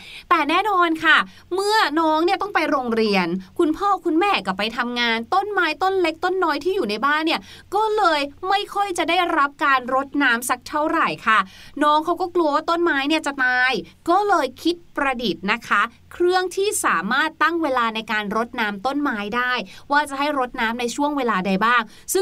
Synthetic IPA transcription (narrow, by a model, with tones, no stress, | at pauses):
t̪ɛː˨˩nɛː˥˩nɔː˧nkʰa˥˩ | mɯ˥˩ɐnɔː˦˥ŋni˥˩ɐt̪ɔ˥˩ŋpa˧jɾoː˧ŋɾi˧ənkʰu˧npʰɔː˥˩kʰu˧nmɛː˥˩ka˨˩pa˧jt̪ʰa˧mŋaː˧nt̪o˥˩nmaː˦˥jt̪o˥˩nle˦˥k̚t̪o˥˩nːɔː˦˥jt̪ʰiː˥˩juː˨˩na˧jbaː˥˩nːi˦˥˩ɐkɔː˥˩lɤː˧jma˥˩jkʰɔ˥˩jt͡ɕa˨˩daː˥˩jɾa˦˥p̚kaː˧nɾo˦˥t̪̚naː˦˥msa˦˥k̚t̪ʰa˥˩wɾa˨˩jkʰa˥˩nɔː˦˥ŋkʰa˦˥wkɔː˥˩klu˧əwaː˥˩t̪o˥˩nmaː˦˥jni˥˩ɐt͡ɕa˨˩t̪aː˧jkɔː˥˩lɤː˧jkʰi˦˥t̪̚pɾa˧di˨˩t̪̚na˦˥kʰa˦˥ | kʰɾɯ˥˩əŋt̪ʰiː˥˩saː˩˦maː˥˩t̪ːa˥˩ŋweː˧laː˧na˧jkaː˧nɾo˦˥t̪̚naː˦˥mt̪o˥˩nmaː˦˥jdaː˥˩jwaː˥˩t͡ɕa˨˩ɦa˥˩jɾo˦˥t̪̚naː˦˥mna˧jt͡ɕʰu˥˩əŋweː˧laː˧da˧jbaː˥˩ŋ | sɯ˥˩